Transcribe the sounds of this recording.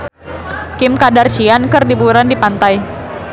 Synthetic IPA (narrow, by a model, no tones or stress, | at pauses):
kɪmkadart͡ʃiankɨrdibuɾandipant̪aj